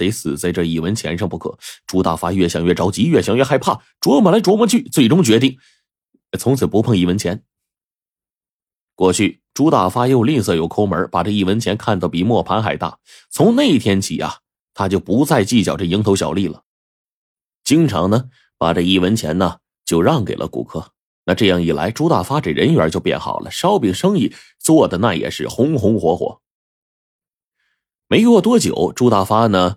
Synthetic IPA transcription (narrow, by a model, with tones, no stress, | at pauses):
t̪e˧˥ɪt͡sʰɹ̩˨˩t͡sa˥˧ɪʈ͡ʂɤ˥˧i˥˩wə˧˥nt͡ɕʰjɛ˧˥nʂɑ˥˧ŋpu˧˥kʰɤ̰˨˩˦ʈ͡ʂu˥t̪a̰˥˩fa˥ɥɛ˥˩ɕjɑ˥˩ŋɥɛ˥˩ʈ͡ʂɑ˧˥ʊt͡ɕi˧˥ɥɛ˥˩ɕjɑ˥ŋɥɛ˥˧˩xa˥˧ɪpʰa˥˩ | ʈ͡ʂwɔ˧˥mə˨˩la˧˥ɪʈ͡ʂwɔ˧˥mə˧˥t͡ɕʰy˥˩t͡swe˥˩ɪʈ͡ʂʊ˥ŋt͡ɕɥɛ˧˥t̪̬i˥˩ŋ˧ | t͡sʰʊ˧˥ŋt͡sʰɹ̩˨˩pu˧˥pʰɤ˥˧ŋi˥˩wə˧˥nt͡ɕʰjɛ˧˥n | kwɔ˥˧˩t͡ɕʰy˥˩ | ʈ͡ʂu˥t̪a˥˩fa˥jo˥˧ʊli˥˧sɤ˥˩jo˨˩ʊkʰo˥ʊmə˞˧˥pa˨˩ʈ͡ʂɤ˥˧i˥˩wə˧˥nt͡ɕʰjɛ˧˥nkʰa˥˩nt̪ɑ˩pi˨˩mwɔ˥˩pʰa˧˥nxa˨˩ɪt̪a̰˥˩ | t͡sʰʊ˧˥ŋne˥˩ɪ˧˩t̪ʰjɛ˥nt͡ɕʰḭ˨˩ɐ̰˧˩ | t̪ʰa˥t͡ɕjo˥˩ʊpu˧˥t͡sa˥˧ɪt͡ɕi˥˩t͡ɕjɑ˨˩ʈ͡ʂɤ˥˩i˧˥ŋt̪ʰo˧˥ʊɕjɑ˨˩ʊli˥˩lə̰˩ | t͡ɕi˥ŋʈ͡ʂʰɑ̰˧˥ŋnə˧ | pa̰˨˩ʈ͡ʂɤ˥˧i˥˩wə˧˥nt͡ɕʰjɛ˧˥nnə˧ | t͡ɕjo˥˧ʊɻɑ˥˩ŋke˨˩ɪlʔə̰˦kṵ˨˩kʰɤ˥ | na˥˧ʈ͡ʂɤ˥˧jɑ˥˩ŋi˨˩la̰˧˥ɪʈ͡ʂu˥t̪a˥˩fa˥ʈ͡ʂe˨˩ɻə˧˥nɥɛ˞˧˥t͡ɕjo˥˧ʊpjɛ̰˥˩nxɑ̰˨˩ʊlʔə̰˦ʂɑ˥ʊpi˨˩ŋʂɤ˥ŋi˥˩ | t͡swɔ˥˩d̪ə˩na˥˩jɛ̰˨˩ʂɻ̩˥˩xʊ˧˥ŋxʊ˧˥ŋxwɔ˧˥xwɔ̰˧˥ | me˧˥ɪkwɔ˥˩t̪wɔ˥t͡ɕjo̰˨˩˦ʊʈ͡ʂu˥t̪a˥˩fa˥nə˨